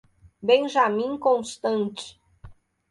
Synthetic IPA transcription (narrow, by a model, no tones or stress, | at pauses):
bẽj̃ʒamĩkõst̪ɐ̃nt͡ʃɪ̥